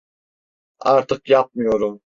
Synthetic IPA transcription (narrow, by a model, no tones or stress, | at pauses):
ɑɾt̪ʰɯqjap̚mɯjoɾum